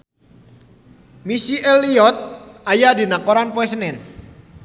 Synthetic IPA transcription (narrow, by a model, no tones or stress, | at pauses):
misiʔɛlːiɔt̪̚ʔajadinakoɾanpoɛs̬nɛn